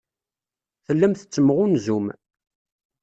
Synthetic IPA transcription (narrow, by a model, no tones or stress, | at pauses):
θəlːæmθə̥t͡sːəməʁʊnzum